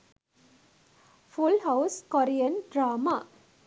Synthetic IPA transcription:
fʰulɦawskoɾijənɖraːma

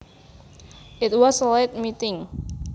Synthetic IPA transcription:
ʔɪt̪̚wɔslaɪt̪̚mit̪ɪŋ

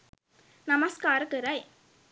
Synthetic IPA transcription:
nɐmɐskaːɾɯkɯɾɐj

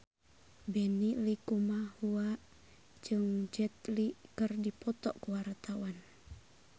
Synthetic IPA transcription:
bɛnilikumahua | d͡ʒɨŋd͡ʒɛt̪̚likɨrdipɔt̪ɔkuwart̪awan

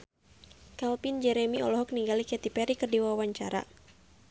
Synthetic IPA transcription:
kalpind͡ʒɛɾɛmiɔ̰lɔɦɔk̚niŋɡalikɛt̪ipɛɾikɨrdiwawaɲt͡ʃaɾa̰

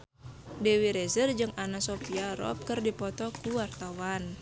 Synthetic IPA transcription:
dewiɾezərd͡ʒɨŋanasopiaɾɔ̰p̚kɨrdipɔt̪ɔkuwart̪awan

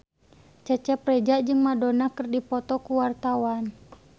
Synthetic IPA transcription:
t͡ʃɛt͡ʃɛprɛd͡ʒad͡ʒɨŋmadonakɨrdipɔt̪ɔkuwart̪awan

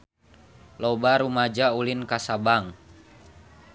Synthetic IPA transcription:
lɔbaɾumad͡ʒaulinkasabaŋ

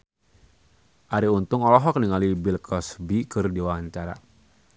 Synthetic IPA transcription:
ʔaɾiunt̪ʊŋɔlɔɦɔkəniŋalibilkʰɔsbikɨrdiwaaɲt͡ʃaɾa̰

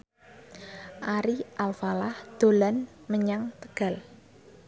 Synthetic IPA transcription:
ʔaɾiʔalfalahd̪̥o̤lan | məɲaŋt̪əɡ̥a̤l

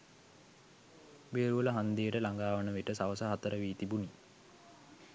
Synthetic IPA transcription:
beːɾuʋələɦand̪ijəʈəlaŋɡaːʋənəʋeʈəsaʋəsəɦat̪əɾəʋiːt̪ibuni

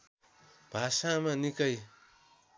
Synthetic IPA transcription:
b̥ʱasamanikʌj

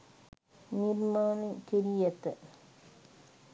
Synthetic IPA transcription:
niɾmaːnekeɾijɛt̪ə

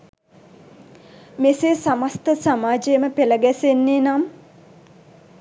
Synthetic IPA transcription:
meseːsamast̪əsamaːd͡ʒejməpeləɡɛsenːeːnam

